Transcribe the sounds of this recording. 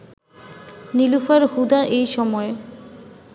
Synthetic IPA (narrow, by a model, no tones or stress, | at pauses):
nilufaɾhud̪aʔejʃɔmɔe